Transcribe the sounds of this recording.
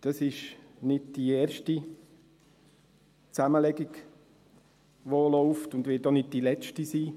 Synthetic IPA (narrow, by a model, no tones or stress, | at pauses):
d̥ɑsɪʃnɪdd̥ieːɾʃti | t͡saməlɛɡɪɡ | ʋolɔʊftʊndʋɪːt̚doːnɪd̚d̥ilɛt͡ʃtisiː